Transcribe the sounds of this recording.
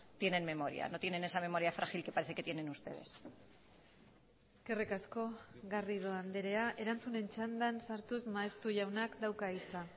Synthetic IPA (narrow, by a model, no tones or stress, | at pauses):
t̪je̞ne̞nme̞mo̞ɾia̰no̞t̪je̞ne̞ne̞same̞mo̞ɾjafɾʔaxilke̞paɾe̞θe̞ke̞t̪je̞ne̞nust̪e̞̰ð̞es | eske̞rekasko̞ɣariðoand̪eɾe̞aʔe̞ɾant͡sune̞nt͡ʃand̪ansaɾt̪uzmaest̪uʝawnakd̪awkait͡sa